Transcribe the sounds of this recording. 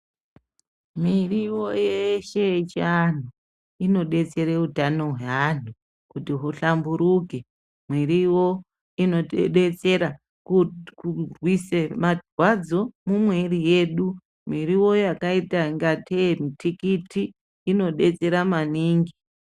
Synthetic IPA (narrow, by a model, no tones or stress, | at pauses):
miriwojeʃet͡ʃan̤u | ino̞ɗe̞t͡se̞ɾeutano̞ɦweɦan̤u | kutiɦuɬambuɾuke | mwiriwo̞ | ino̞ɗe̞t͡se̞ɾa | kukurwisemadwad͡zo̞mumwerije̞ːɗu | miɾiwo̞jakaitaiŋɡatʰemitʰikitiː | no̞ɗe̞t͡se̞ɾamaniːŋɡi